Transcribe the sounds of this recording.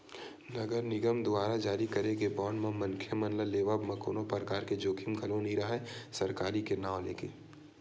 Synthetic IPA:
nɐɡəɾnɪɡəmd̪ʊaːɾad͡ʒaːɾikɐɾeɡebɔːɳɖmãmɐŋkʰjəmɐnləleːʋabmɐkoːnopəɾkaːɾked͡ʒoːkʰimɡʱɐlõniɾɐɦɛsɐɾkaːɾikenaːwlḛːkeː

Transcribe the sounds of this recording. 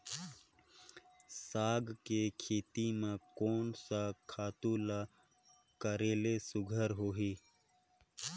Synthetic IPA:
saːɡkekʰeːt̪imẽkoːnsakʰaːt̪ula | kəɾeːlesʊɡʱəɾɦoːɦiː

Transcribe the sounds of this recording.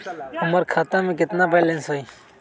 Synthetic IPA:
ʊməɾkʰaːt̪ãːmẽk̬ɪt̪naːpɛlẽnsoiː

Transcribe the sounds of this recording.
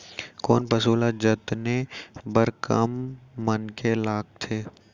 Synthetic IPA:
koːnpɐsuːlad͡ʒət̪nebəɾkəmːənkelaːk̚t̪ʰeː

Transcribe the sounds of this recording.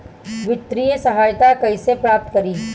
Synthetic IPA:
ʋɪt̪ːɾijəsɐɦaːjt̪akɐisepɾaːp̚t̪kɐɾiː

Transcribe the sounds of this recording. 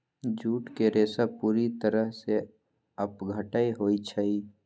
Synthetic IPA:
d͡ʒuːʈkeɾeːsapuːɾit̪əɾəɦse | ɐpɡʱəʈaiɦoːit͡ʃʰəi

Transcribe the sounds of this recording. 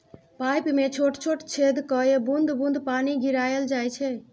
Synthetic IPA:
pajpmet͡ʃʰoʈt͡ʃʰoʈt͡ʃʰed̪kəebund̪bũnd̪paniɡʱiɾajeld͡ʒajt͡ʃʰɛ

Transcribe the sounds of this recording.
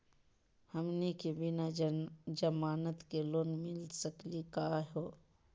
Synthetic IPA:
hɐmnikebinad͡ʒɐmaːnət̪keloːnmɪlsəklikaːɦoː

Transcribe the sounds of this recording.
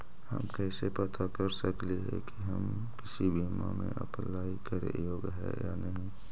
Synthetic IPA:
hɐ̰mkɛːsepət̪akɐɾsəkleɦɛkiɦɐm | kɪsibʱiːma̰mẽʔɐ̰plːaːikəɾḛjoːɡɦɛ̰ja̰ːnɐɦĩ

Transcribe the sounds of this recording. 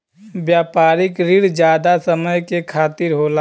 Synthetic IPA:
bjaːpaːɾɪkɾɪɽd͡ʒjaːd̪asəməjkekʰaːt̪ɪɾɦoːla

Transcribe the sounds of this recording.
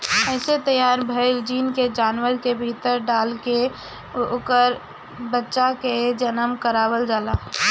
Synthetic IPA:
ɛɪset̪əjaːɾbʱəɪld͡ʒiːnked͡ʒaːnʋəɾkebʱit̪əɾɖaːlke | okəɾ | bətːʃaked͡ʒənəmkəɾaːwəld͡ʒaːlaː

